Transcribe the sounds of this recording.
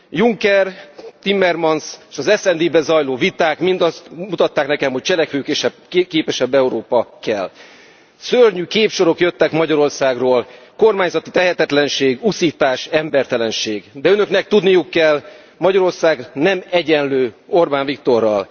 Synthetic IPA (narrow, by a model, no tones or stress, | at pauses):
juŋkɛrt̪imːɛrmɒnseːʃɒzɛsɛnd̪iːbɛzɒjloːvit̪aːkmind̪ɒst̪mut̪ɒt̪ːaːknɛkɛmho̞c̚t͡ʃɛlɛkʋøːkeʃɛbkeːpɛʃɛbːɛuɾoːpɒkɛl | sørɲykeːpʃo̞ɾo̞kjøt̪ːɛkmɒɟɒɾo̞rsaːɡroːl | ko̞rmaːɲzɒt̪it̪ɛɦɛt̪ɛt̪lɛnʃeːɡusiːt̪aːʃɛmbɛrt̪ɛlɛnʃeːɡd̪ɛønø̞knɛk̚t̪ud̪nijukːɛl | mɒɟɒɾo̞rsaːɡnɛmɛɟɛnløːo̞rbaːɱvik̚t̪o̞rːɒ̰l